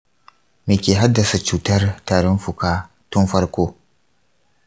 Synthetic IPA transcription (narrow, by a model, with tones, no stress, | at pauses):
meː˨kʲeː˨ɦa˦dːa˨sa˨t͡ʃuː˨tɐ˦rtaː˨ɽɪ˦nfu˨ka˦ | tʊ˦nfɐ˦ɾkʷoː˦